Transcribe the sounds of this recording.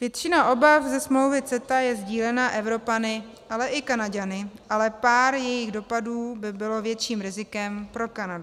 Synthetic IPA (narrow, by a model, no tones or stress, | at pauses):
vjɛt̪t͡ʃɪnaʔo̞bafzɛsmlo̞wvɪt͡sɛt̪ajɛzɟiːlɛnaʔɛvɾo̞panɪ | ʔalɛʔɪkanaɟanɪʔalɛpaːɾjɛjɪɣdo̞paduːbɪbɪlo̞vjɛt̪t͡ʃiːmɾɪzɪkɛmpɾo̞kanadʊ